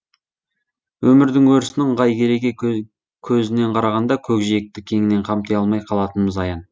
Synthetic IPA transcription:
wɵmɪɾd̪ɪŋwɵɾɪsɪnɪɴʁɑjkʲe̞ɾe̞ɡʲe | kʲʰɵzɪne̞ɴqʰɑɾɑʁɑnd̪ɑkʲʰɵkʒe̞k̚t̪ɪkʲʰe̞ŋɪne̞ɴqʰɑmt̪ʰejɑlˠmɑjqʰɑlˠɑt̪ənməzɑjɑn

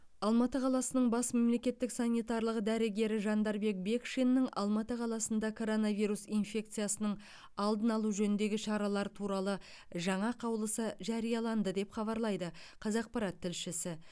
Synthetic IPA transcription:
ɑlˠmɑt̪əqʰɑlˠɑsənəɴbɑsme̞mle̞kʲe̞t̪ːɪksɑnijt̪ɑɾlˠəqd̪æɾɪɡʲe̞ɾɪʒɑnd̪ɑɾbe̞k̚be̞kʃenːɪŋɑ̰lˠmɑt̪əqʰɑlˠɑsənd̪ɑkʰo̞ɾo̞nɑvijɾusijnfʲe̞k̚t̪sɨjasənəɴ | ɑlˠd̪ənɑlˠuʒɵnɪnd̪e̞ɡʲɪʃɑɾɑlˠɑɾt̪ʰuɾɑlˠə | ʒɑɴɑqʰɑwlˠəsəʒɑɾijɑlˠɑnd̪əd̪e̞pχɑβɑɾlˠɑjd̪əqʰɑzɑq̚pɑɾɑt̪ʰːɪlʃɪsɪ

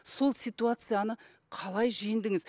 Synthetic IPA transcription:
so̞lˠsijt̪uat̪sɨjanə | qʰɑlˠɑjʒijɪnd̪ɪŋɪz

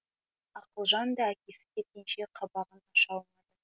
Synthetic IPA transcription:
ɑqəlˠʒɑnd̪ɑækʲe̞sɪ̥kʲʰe̞t̪̚kʲenʃe̞qʰɑbɑʁənɑʃɑlˠmɑjd̪ə

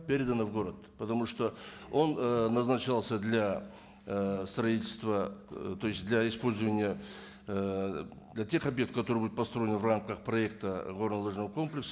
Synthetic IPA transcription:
pʲeɾʲɪd̪ənəvɡo̞ɾət̪pət̪ɐmuʂt̪o̞ | o̞nnɐznɐt͡ɕalˠsʲəd̪lʲa | st̪rɐitʲɪlʲst̪vət̪o̞jɪsʲt̪ʲd̪lʲaɪspo̞lʲzəvənʲɪjə | d̪lʲatʲe̞χɐbjek̚t̪̚kɐt̪oɨbud̪ʊt̪pɐst̪ɾo̞jɪnvramkəχprɐe̞k̚t̪əɡo̞rnəlˠoʐnəvəko̞mplʲɪksə

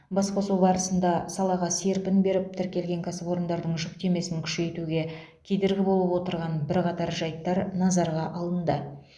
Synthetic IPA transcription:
bɑsqosuwbɑɾəsənd̪ɑsɑlˠɑʁɑse̞ɾpɪnbe̞ɾɪp̚t̪ʰɪɾkʲe̞lɡʲe̞ŋkʲʰasəpo̞ɾənd̪ɑɾd̪əɴʒʏk̚t̪e̞me̞sɪŋkʲʰʏ̥ʃe̞jt̪uɡʲe̞ | kʲʰe̞d̪e̞ɾɡʲɪbo̞lˠəpwo̞t̪əɾʁɑnbɪɾqɑt̪ɑɾʒɑjt̪ːɑɾnɑzɑɾʁɑʔɑlˠənd̪ə

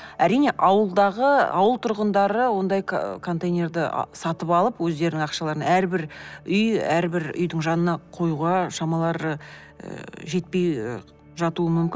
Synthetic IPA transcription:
æɾijne̞ʔɑwəlˠd̪ɑʁəɑ̰wəlˠt̪ʰʊɾʁənd̪ɑɾəwo̞nd̪ɑjkʰo̞nt̪ejnʲe̞ɾd̪ɪ̰sɑt̪əpɑlˠəpwɵzd̪eɾɪnɪŋɑqʃɑlˠɑɾənæɾbɪɾʏjæɾbɪɾʏ̰jd̪ɪŋʒɑnənɑqʰo̞juʁɑʃɑmɑlˠɑɾə̰ | ʒe̞t̪̚pe̞j | ʒɑt̪uəmʏmkʲɪn

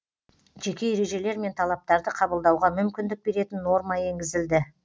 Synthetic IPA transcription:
ʒe̞kʲe̞jeɾe̞ʒe̞le̞ɾme̞nt̪ʰɑlˠɑp̚t̪ɑɾd̪əqʰɑbəlˠd̪ɑwʁɑmʏmkʲɪnd̪ɪk̚be̞ɾe̞t̪ɪnːo̞ɾmɑe̞ŋɡʲɪzɪld̪ɪ

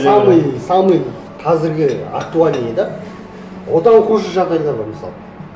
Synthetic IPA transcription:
sɑməjsɑməj | qʰɑzɪɾɡʲɪa̰k̚t̪ualʲijed̪ɑ | wot̪ɑɴqʰuʒəʒɑʁd̪ɑjd̪ˠɑboɾməsɑ̰lˠə

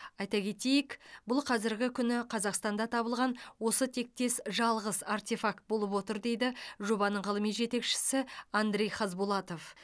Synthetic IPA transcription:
ɑjt̪ɑkʲʰe̞t̪e̞jɪkbʊlˠqʰɑzɪɾɡʲɪkʲʰʏnɪqʰɑzɑqst̪ɑnd̪ɑt̪ʰɑbəlˠʁɑnwo̞sət̪ʰe̞k̚t̪e̞sʒɑlˠʁəzart̪ʲe̞fak̚t̪̚bo̞lˠəpwo̞t̪əɾd̪e̞jd̪ɪʒo̞bɑnəɴʁəlˠəmijʒe̞t̪e̞kʃɪ̥sɪand̪ɾʲe̞jχɑzbulˠɑt̪o̞f

